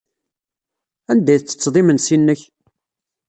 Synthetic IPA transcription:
ænd̪æjθt͡sːə̥t͡sːðˤimənsinːəç

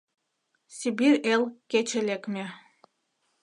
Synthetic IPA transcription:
sʲibiɾelʲˠket͡ʃelekme

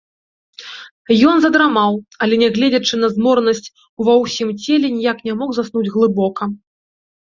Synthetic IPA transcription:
jɔnzɐd̪ɾamawɐlʲɛnʲɛɣlʲed͡zʲɐt͡ʂɨnɐzmɔɾnɐsʲt͡sʲ | uvɐwsʲimt͡sʲelʲɛnʲijaknʲamɔxzasnud͡zʲɣlˠɨbɔkɐ

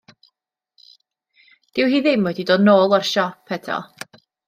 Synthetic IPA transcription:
d̥ɪwɦiːðɪmwɛdidoːdnoːlˠarʃɔpʰːɛtʰɔ̰

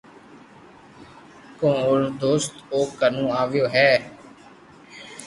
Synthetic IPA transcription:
kõːʊɾd̪oːst̪oːkənũːaːʋɪjoːɦɛː

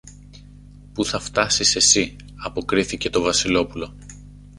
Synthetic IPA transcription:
puθɐft̪ɐsise̞si | ɐpo̞kɾiθice̞t̪o̞vɐsilo̞pulo̞

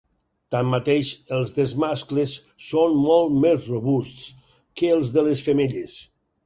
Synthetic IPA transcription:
t̪amːat̪eʃəlˠzðezmasklesː | onmolˠt̪mezroβusts | kəːlˠzðəlesfəmeʎes

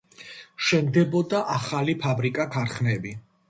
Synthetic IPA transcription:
ʃɛmd̪ɛbɔd̪aʔaχalipʰabɾikʼakʰaɾχnɛbi

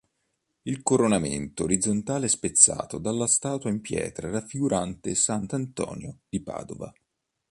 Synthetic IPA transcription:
ilkoɾonamḛnt̪oːɾid̪zont̪aːleɛspet̪sːa̰ːt̪od̪alːast̪aːt̪waimpjɛ̰ːt̪ɾaɾafːiɡuɾʔant̪esant̪ant̪ɔ̰ːnjod̪̥ipa̰ːd̪ova̰

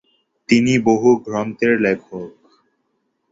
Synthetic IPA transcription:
t̪iniboɦuɡʱɾɔnt̪eɾlɛkʰok

